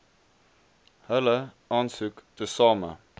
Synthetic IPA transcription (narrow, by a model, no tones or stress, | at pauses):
hɛlə | ɑnsʉːkd̪̥esɑːmə̰